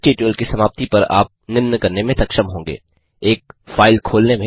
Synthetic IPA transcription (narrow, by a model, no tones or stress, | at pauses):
ʈeːʈiəlkisɐmaːp̚t̪ipɐɾa̰ːp̚nɪnːəkɐɾnemẽt̪ɐkʃəmɦõːŋɡḛː | eːk̚faːɪlkʰoːlnemẽ